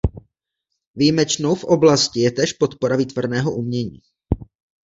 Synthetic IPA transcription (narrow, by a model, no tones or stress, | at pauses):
viːmɛt͡ʃno̞wfʔo̞blascɪjɛt̪ɛːʃpot̪poɾaviːt̪vrnɛːɦoʔumɲɛɲḭː